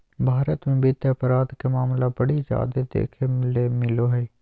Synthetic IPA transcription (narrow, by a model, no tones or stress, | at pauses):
bʱaːɾət̪mẽbeːt̪eɐpɾaːd̪kemaːmlabɐɽid͡ʒa̰ːd̪ed̪ḛːkʰemɪlemɪloɦɛː